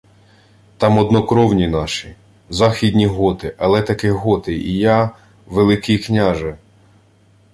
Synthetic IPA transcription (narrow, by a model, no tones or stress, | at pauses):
t̪ɑmɔd̪nɔkɾɔwnʲinɑʃi | zɑxʲid̪ʲnʲiɦɔt̪ɪʔɐlˠɛt̪ɐkɪɦɔt̪ɪḭjɑ | ʋelˠɪkiknʲaʒɛ